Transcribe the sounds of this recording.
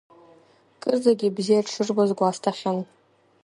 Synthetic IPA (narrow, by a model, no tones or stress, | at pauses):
kʼɨrd͡zaɡʲibzijaʈ͡ʂʰɨrbazɡʷastʰaχʲan